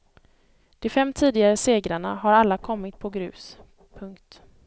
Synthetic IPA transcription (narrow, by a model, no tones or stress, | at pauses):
d̪̥ɛfɛmːt̪ʰiːd̪ɪɡaɾəseːɡɾaɳa̰ɦaɾalːakʰɔmːɪt̪̚pʰɔɡɾʉ̟̰ːs | pʰɵŋkt̪